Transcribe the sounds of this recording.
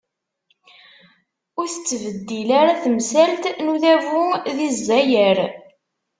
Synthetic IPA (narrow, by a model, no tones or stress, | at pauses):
ʊɾθət͡sːvəd̪ːilaɾaθəmsælt̪nuðævuðizːæjəɾ